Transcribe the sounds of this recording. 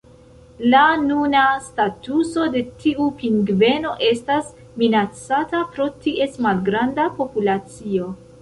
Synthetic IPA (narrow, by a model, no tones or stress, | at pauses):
lanunastatuso̞de̞tiupiŋɡve̞no̞ʔe̞stas | minat͡satapɾo̞tiʔe̞stmalɡɾandapo̞pulat͡sio̞